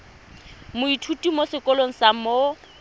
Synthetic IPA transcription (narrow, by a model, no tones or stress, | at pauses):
mʊitʰutʼimosɪkʼɔloŋ̩samo